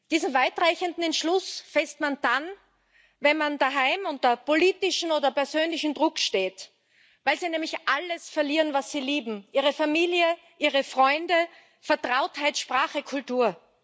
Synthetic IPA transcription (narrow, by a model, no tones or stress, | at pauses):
d̥iːzn̩vaɪtʁaɪçəndn̩ɛntʃlʊsfɛstmand̥an | vɛnmand̥aɦaɪmʊntɐpoliːtɪʃn̩oːdɐpɛɐzøːnlɪçn̩dʁʊkʃteːt | vaɪlziːnɛːmlɪçʔaləsfɛɐliːʁənvasːiːliːbm̩ʔiːʁ̞əfamiːljə | ʔiːʁəfʁ̥ɔʏndə | fɛɐtʁ̥aʊthaɪtʃpʁ̥aːχəkʰʊltuːɐ